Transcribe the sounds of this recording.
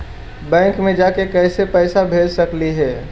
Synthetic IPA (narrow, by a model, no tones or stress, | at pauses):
bɛ̃ːŋkmẽd͡ʒaːkekɛːsepɛːsabʱeːd͡ʒsɐkliɦɛː